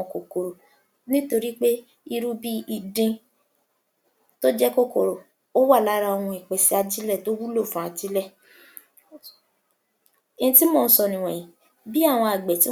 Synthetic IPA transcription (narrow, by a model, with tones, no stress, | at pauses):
ɔ̃˧˨ko˨ko˨ɾo˨ | nĩ˦to˧ɾi˦k͡pe˦ | i˧ɾu˦bi˦i˧dĩ˧ | to˦d͡ʒɛ˦ko˦ko˨ɾo˨ | o˦wa˦˨la˨˦ɾa˧o˧wũ˧i˨k͡pɛ˨si˦a˧d͡ʒi˦lɛ˦˨to˦wu˦lo˦˨fã˨˦a˧d͡ʒi˦lɛ˦˨ | e˧ĩ˧ti˦mɔ̃˦˧n̩˦sɔ˧nĩ˨w̃ɛ̃˨ĩ˨ | bi˦a˦˨w̃ɔ̃˧a˨ɡ͡bɛ˨ti˨˦